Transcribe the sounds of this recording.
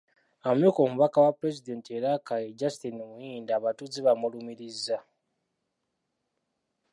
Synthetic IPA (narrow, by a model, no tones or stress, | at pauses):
amoko̞ːmuβakawapuɾe̞zide̞ːntieɾakajeɟastinumujiːndaːβatuziβamulumiɾizːa